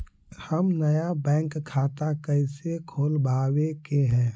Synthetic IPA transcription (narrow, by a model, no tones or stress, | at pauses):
həmnəjabɛ̃ːŋkʰːaːt̪akəɪsekʰoːlbaːwekeɦɛ̃ː